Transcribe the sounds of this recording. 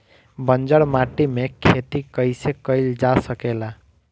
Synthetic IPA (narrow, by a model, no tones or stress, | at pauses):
bənd͡ʒəɽmaʈimekʰet̪ikəjsekəjld͡ʒasəkela